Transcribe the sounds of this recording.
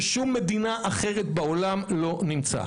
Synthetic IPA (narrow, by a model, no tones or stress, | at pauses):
ʃumːe̞d̪inaʔaχeʁet̪̚baolamlo̞nimt͡sa̰